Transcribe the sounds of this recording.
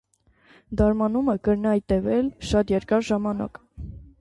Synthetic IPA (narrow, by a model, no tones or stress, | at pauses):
d̪ɑɾmɑnuməkəɾnɑjt̪ɛvɛlʃɑt̪jɛɾkɑɾʒɑmɑnɑ̰k